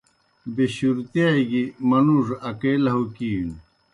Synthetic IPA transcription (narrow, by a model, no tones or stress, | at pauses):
beɕuɾt̪jajɡimɐnuʐɐkelɐɦukiːn